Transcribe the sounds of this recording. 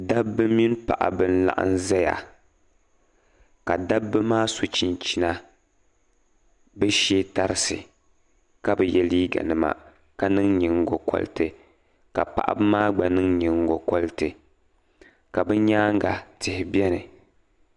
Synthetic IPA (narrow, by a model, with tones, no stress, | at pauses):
da˦bːɨ˦mi˦n˦pa̰˨ʔa̰˨bɨ˦n˦la̰˦ʔa̰˦n˦za˦ja̰˨ | ka˨da˦bːɨ˦maː˦so˨t͡ʃi˨nt͡ʃi˦na˦ | bɛ˦ʃe˦ta˨ɾɨ˦sɨ˨ | ka˦bɛ˨jɛ˨liː˦ɡa̰˨nɨ˨ma̰˨ | ka˦nɨ˦ŋɲɨ˨ŋ˦ɡo˨kɔ̰˦ltɨ˨ | ka̰˨pa̰˨ʔa̰˨bɨ˦maː˦ɡ͡ba˨nɨ˦ŋɲɨ˨ŋ˦ɡo˨kɔ˦ltɨ˨ | ka˨bɨ˦ɲaː˦ŋ˦ɡa˨tɨ˨hɪ˨bɛ˦nɨ˨